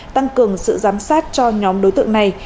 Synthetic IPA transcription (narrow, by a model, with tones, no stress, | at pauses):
t̪a˧ŋkɨ˨˩əŋsɨ̰˧˨zaː˨˦msaː˦˥t̚t͡ɕɔ˧ɲɔ˨˦mɗo˨˦jt̪ɨ̰˧˨əŋna˨˩j